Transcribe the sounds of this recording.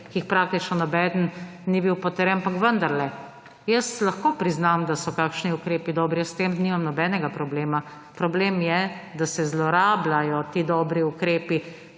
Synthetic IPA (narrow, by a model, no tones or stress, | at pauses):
kiːxpɾaːk̚t̪it͡ʃnɔnabɛd̪ənnibiwpɔt̪əɾɛnapakʋənd̪aɾlɛ | jəslaxkoːpɾiznamd̪asɔkaːkʃniukɾeːpid̪ɔːbɾiɛst̪emniːmamnɔbɛːnɛɡapɾɔbleːma | pɾɔbleːmjɛd̪asɛzlɔɾaːblajɔt̪iːd̪ɔːbɾiukɾeːpi